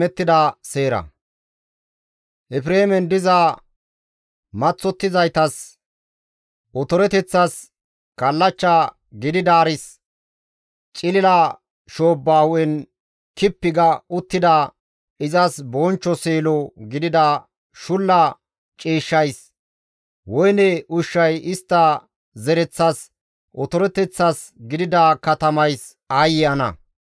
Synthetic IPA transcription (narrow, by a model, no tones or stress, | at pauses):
ɛt̪ːɪd̪ɐseːɾɐ̰ | ʔɛfɾeːmɛnd̪ɪzaː | mɐt͡sːɔt̪ːɪzɐjt̪ɐs | ʔɔt̪ɔɾɛt̪ɛt͡sːɐs | kɐlːɐt͡ʃːaː | ɡɪd̪ɪd̪aːɾɪs | t͡ʃʼɪlɪlaː | ʃo̞ːbːaːhʊʔɛn | kɪpːɪɡɐʊt̪ːɪd̪ɐ | ɪzɐsbɔnt͡ʃːɔseːlɔɡɪd̪ɪd̪ɐ | ʃʊlːɐ | t͡ʃʼiːʃːɐjs | wɔjnɛʊʃːɐjɪst̪ːɐ | zɛɾɛt͡sːɐs | ʔɔt̪ɔɾɛt̪ːɛt͡sːɐs | ɡɪd̪ɪd̪ɐkɐt̪ɐmɐjs | ɐjɪjɐnɐ̰